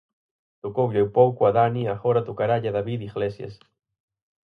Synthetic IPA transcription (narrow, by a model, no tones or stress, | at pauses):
t̪okowʎewpowkoaðaniaɣɔɾat̪okaɾaʎaðaβiðiɣlesjɐ̰s